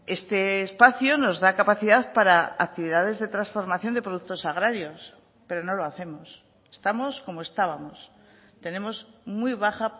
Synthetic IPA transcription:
e̞st̪e̞ːspaθjono̞zðakapaθiðaðpaɾaa̰k̚t̪iβiðaðe̞zðe̞t̪ɾasfo̞ɾmaθjo̞nd̪epɾoukt̪o̞saɣɾaɾjo̞s | pe̞ɾo̞no̞lo̞aθe̞mo̞s | est̪amo̞sko̞moe̞st̪aβamo̞s | t̪e̞ne̞mo̞smwijβ̞aχa

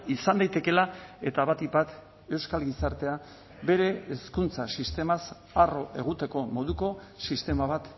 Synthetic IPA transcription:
isand̪ajt̪e̞ke̞lae̞t̪aβat̪ibat̪ | e̞wskalɡisaɾt̪e̞a | be̞ɾe̞ːskunt͡sasist̪e̞mas | aro̞ʔe̞ɣ̞ut̪e̞ko̞mo̞ðuko̞ | sist̪e̞maβ̞at̪

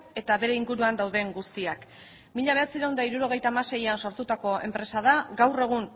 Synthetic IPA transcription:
e̞t̪aβe̞ɾe̞iŋɡuɾuand̪awðe̞ŋɡust̪iak | miʎaβ̞e̞at͡siɾawnd̪aiɾuɾo̞ɣ̞e̞jt̪aːmase̞janso̞ɾt̪ut̪ako̞e̞̰mpɾe̞sað̞aɡawre̞ɣ̞un

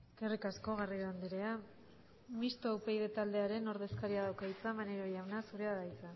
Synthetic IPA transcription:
kerikasko̞ɣ̞ariɣoand̪eɾea | mist̪oawpe̞jðe̞t̪ald̪e̞aɾe̞no̞ɾðe̞skaɾiaðawkait͡samaneɾojawnasuɾeaðajt͡sa

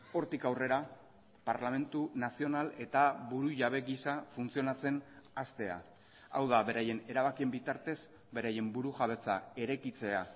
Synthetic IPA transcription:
o̞ɾt̪ikawre̞ɾa | paɾlame̞nt̪unasio̞nale̞t̪aβuɾuʝaβ̞e̞ɣisafunt͡sio̞nat͡se̞nast̪e̞a̰ | a̰wðaβe̞ɾaje̞ne̞ɾaβ̞akie̞mbit̪aɾt̪e̞z | be̞ɾaje̞mbuɾuʝaβe̞t͡sa̰e̞ɾekit͡se̞a

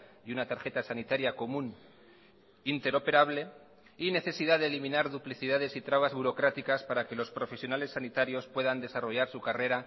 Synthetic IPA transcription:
junat̪aɾxe̞t̪asanit̪aɾjako̞mũn | int̪e̞ɾo̞pe̞ɾaβ̞le̞ | ine̞θe̞siðaðelimĩnaɾðupliθiðaðe̞sit̪ɾaβazβuɾo̞kɾat̪ikaspaɾake̞lo̞spɾo̞fe̞sjo̞nale̞sːanit̪aɾjo̞spwe̞ðand̪e̞saro̞ʝaɾsukare̞ɾa

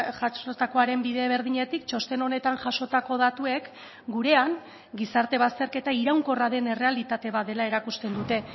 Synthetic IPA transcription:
ʝasot̪ako̞aɾe̞mbiðe̞β̞e̞ɾð̞iɲe̞t̪ikt͡ʃo̞st̪e̞no̞ne̞t̪aŋʝaʃo̞t̪ako̞ð̞at̪ue̞k | ɡuɾe̞aŋ | ɡisaɾt̪e̞βast̪e̞ɾke̞t̪aiɾawŋko̞raðe̞ne̞re̞alit̪at̪e̞βaðe̞lae̞ɾakust̪e̞nd̪ut̪e̞

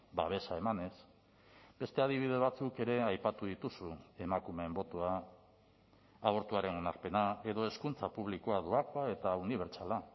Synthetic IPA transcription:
ba̰β̞e̞sae̞mane̞s | be̞st̪e̞að̞iβ̞ið̞e̞β̞at͡suke̞ɾe̞ajpat̪uðit̪usue̞makume̞ːmbo̞t̪oa | βo̞ɾt̪uaɾe̞no̞naɾpe̞nae̞ðo̞e̞skunt͡sapuβ̞likoaðuakoae̞t̪auniβ̞e̞ɾt͡ʃala

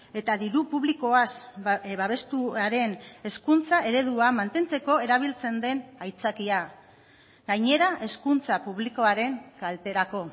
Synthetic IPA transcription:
e̞t̪aðiɾupuβliko̞asβaβe̞st̪uaɾe̞ne̞skunt͡saʔe̞ɾe̞ðuamant̪e̞nt͡se̞ko̞e̞ɾaβ̞ilt͡se̞nd̪e̞najt͡sakia | ɡajɲe̞ɾaʔe̞skunt͡sapuβliko̞aɾe̞ŋkalt̪e̞ɾako̞

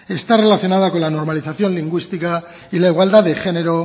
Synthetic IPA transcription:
e̞st̪are̞laθjo̞naðako̞lano̞ɾmaliθaθjo̞nliŋɡwist̪ika | ilaiɣwald̪aðexe̞ne̞ɾo̞

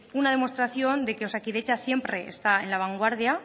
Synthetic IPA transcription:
unaðe̞mo̞st̪ɾaθjo̞nd̪e̞keosakiðet͡ʃasje̞mpɾe̞̰ːst̪aenlaβ̞aŋɡwaɾðja

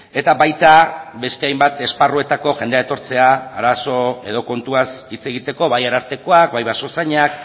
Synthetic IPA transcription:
e̞t̪abajt̪aβe̞st̪e̞ajmbat̪e̞sparue̞t̪ako̞ʝe̞nd̪eaet̪o̞ɾt͡se̞aːɾaso̞e̞ðo̞ko̞nt̪uasit͡se̞ɣit̪e̞ko̞βajaɾaɾt̪e̞ko̞ak̚bajβaso̞saɲak

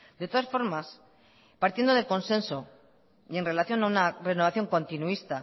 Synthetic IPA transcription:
d̪e̞t̪o̞ðasfo̞ɾmas | paɾt̪jend̪o̞ðeko̞nsẽ̞nso̞ | ie̞nre̞laθjo̞naunare̞noβaθjo̞ŋkõ̞nt̪inuist̪a

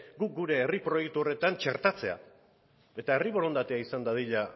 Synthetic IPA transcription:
ɡuk̚ɡuɾe̞ːripɾo̞jek̚t̪uo̞re̞t̪ant͡ʃe̞ɾt̪at͡se̞a̰ | e̞t̪ae̞riβo̞ɾo̞nd̪at̪e̞aisand̪að̞iʎa

